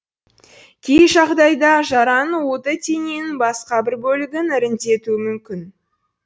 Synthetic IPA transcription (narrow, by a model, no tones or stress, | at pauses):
kʲʰejʒɑʁd̪ɑjd̪ɑʒɑɾɑnwo̞t̪ət̪ʰʲenenbɑsqɑbɪɾbɵlɪɡʲɪnɪɾɪnt̪e̞t̪uɪmʏmkʲɪn